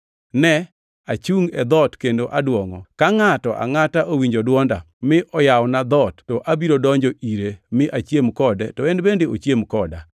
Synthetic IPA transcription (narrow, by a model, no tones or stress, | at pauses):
nɛ | at͡ʃuŋɛd̪ɔtkendoʔadwɔŋɔ̰kaŋatɔʔa̰ŋataʔowiɲd͡ʒodwɔnda̰ | mɪʔɔjawɔnad̪ɔtːɔʔabiɾodɔɲd͡ʒɔʔiɾemɪʔat͡ʃjemkɔdɛtɔɛnbendeot͡ʃjemkɔda̰